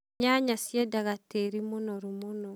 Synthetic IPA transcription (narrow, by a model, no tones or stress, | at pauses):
ɲaɲasjɛdaɣateɾimɔnɔɾumɔnɔ